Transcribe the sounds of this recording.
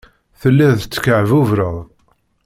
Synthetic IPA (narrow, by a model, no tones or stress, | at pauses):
θəlːæðt͡sːə̥kəʕvuvɾəʁ